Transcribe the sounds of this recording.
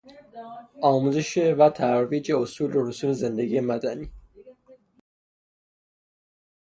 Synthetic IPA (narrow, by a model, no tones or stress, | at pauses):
ʔɒːmuzeʃevæt̪ʰæɾviːd͡ʒeosuːleɾosumeze̞nd̪eɟijemæd̪æniː